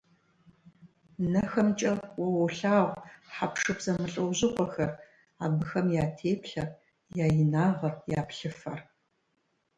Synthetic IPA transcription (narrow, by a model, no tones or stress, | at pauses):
nɐxɐmt͡ʃʼɐwɔwʊɬaːʁʷħapʂɨpz̥ɐmɨɬʼɐwʑɪχʷʼɔxɐr | a̰ːbɨxɐmjaːtʰeːpɬɐ | jaːjɪnaːʁɐrjaːpɬɨfɐ̰r